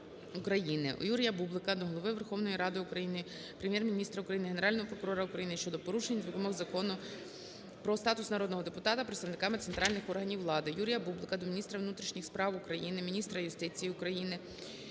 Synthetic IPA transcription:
ukɾɐjinɪ̰ʔjuɾʲijɐbublˠɪkɐd̪ɔɦɔlˠɔʋɪʋerxɔwnɔjiɾɑd̪ɪʊkɾɐjinɪ | pɾemʲjɛrmʲinʲist̪ɾɐukɾɐjinɪɦeneɾɑlʲnɔɦɔpɾɔkʊɾɔɾɐukɾɐjinɪʃt͡ʃɔd̪ɔpɔɾuʃenʲzʊbʲɔmɔɣzɐkɔnʊ | pɾɔst̪ɑt̪ʊsnɐɾɔd̪nɔɦɔd̪epʊt̪ɑt̪ɐpɾet̪st̪ɐʋnɪkɑmɪt̪sent̪ɾɑlʲnɪxɔrɦɐnʲiwlˠɑd̪ɪjuɾʲijɐbublˠɪkɐd̪ɔmʲinʲist̪ɾɐʋwnut̪ɾʲiʃnʲixspɾɑwʊkɾɐjinɪmʲinʲist̪ɾɐjʊst̪ɪt͡sʲijiʊkɾɐjinɪ

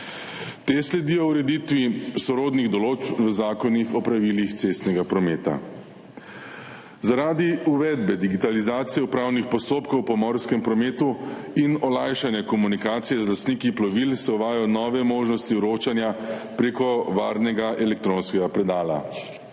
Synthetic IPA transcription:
t̪eslɛd̪iːjɔuɾɛd̪it̪ʋisɔɾoːd̪niɣd̪ɔloːt͡ʃpʋəzaːkɔnixɔpɾaʋilixt̪sest̪nɛɡapɾɔmeːt̪a̰ | zaɾaːd̪iuʋɛd̪bɛd̪iɡit̪alizaːt̪sijɛupɾaːwnixpɔst̪oːpkɔwpɔmɔɾskɛmpɾɔmeːt̪uinɔlajʃanjɛkɔmunikaːt̪sijɛzlast̪nikiplɔʋilsɛɔʋaːjajɔnɔːʋɛmoːʒnɔst̪iɾoːt͡ʃanjapɾeːkɔʋaɾnɛɡaʔɛlɛk̚t̪ɾonskɛɡapɾɛd̪aːla̰

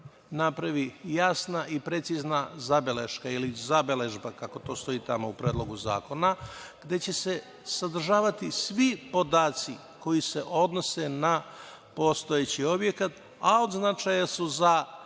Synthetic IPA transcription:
napɾaʋijasnaʔipɾe̞t̪siznazabelḛʃkailizabele̞ʒbakako̞t̪o̞ːst̪o̞iːt̪amoupɾeːd̪lˠo̞ɡuza̰ːko̞naɡ̥d̪e̞t͡ɕe̞se̞ | sad̪r̩ʒaːʋat̪isʋipo̞d̪aːt̪si | ko̞jise̞ʔo̞d̪no̞se̞na | po̞st̪o̞et͡ɕio̞bje̞kat̪ | ao̞d̪znat͡ʃajasuza

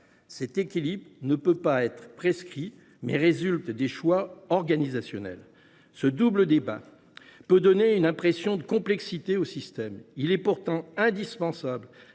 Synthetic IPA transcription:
sɛt̪ekʲilibʁnəpøpaɛt̪χpχeskχi | mɛ̰ʁezylt̪d̪eʃwaɔʁɡanizasjɔnɛ̰l | səd̪ubləd̪eba̰ | pød̪ɔneynɛ̃pχesjɔ̃d̪əkɔ̃plɛksit̪eosist̪ɛmilɛpuʁt̪ɑ̃ɛ̃d̪ispɑ̃sabl

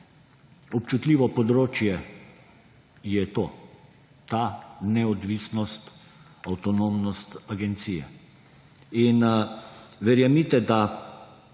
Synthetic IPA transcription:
ɔpt͡ʃut̪liːʋɔpɔd̪ɾoːt͡ʃjɛ | jɛt̪oː | t̪anɛɔd̪ʋisnɔst̪ | awt̪ɔnomnɔst̪aɡɛnt̪siːjɛ̰ | in | ʋɛɾjamit̪ɛd̪a

